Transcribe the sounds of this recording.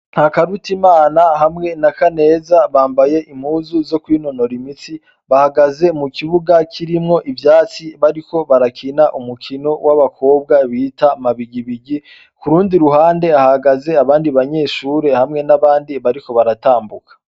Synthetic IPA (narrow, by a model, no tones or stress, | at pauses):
nhakaɾutimaːnaɦamŋe̞nakane̞ːzaβaːmbaje̞ʔim̥huːzuzo̞kwiːno̞no̞ɾimit͡si | βahaɡaze̞mukiβuɡakʰiɾimŋo̞ʔivjaːt͡siβaɾiko̞βaɾakʰinaʔumukʰino̞wʔaβakʰo̞ːbɡaβiːtamaβiɟiβiɟi | kuɾuːndiɾuɦaːnde̞ahaɡaze̞aβaːndiβaɲe̞ːʃuːɾe̞hamŋe̞naβaːndiβaɾiko̞βaɾataːmbukḁ